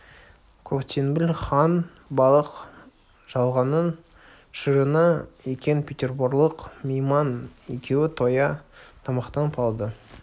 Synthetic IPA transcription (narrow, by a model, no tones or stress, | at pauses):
kʰopt̪ʲʰenbɪlʲχɑn | bɑlˠəq | ʒ̥ɑlˠʁɑnən | ʃəɾənɑekʲenpʰʲet̪ʲe̞rboɾlˠəqmʲejmɑnḛkʲʰe̞wɪt̪ʰo̞jɑt̪ʰɑmɑqt̪ɑnpʰɑlˠd̪ə